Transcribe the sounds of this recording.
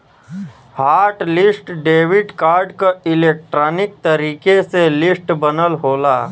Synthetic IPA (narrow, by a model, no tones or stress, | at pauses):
haːɾʈlɪsʈɖeːʋɪɖkaːɾɖkaɪleːk̚ʈɾaːnɪk̚t̪əɾiːkeselɪsʈbənəlɦoːla